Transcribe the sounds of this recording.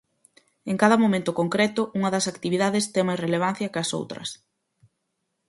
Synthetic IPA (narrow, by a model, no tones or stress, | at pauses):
eŋkaðɐmõmẽnt̪ʊkoŋkɾɛt̪ʊʔuŋɐðɐsakt̪iβiðaðɪst̪emajsreleβ̞an̟θjɐkɐso̰wt̪ɾɐ̰s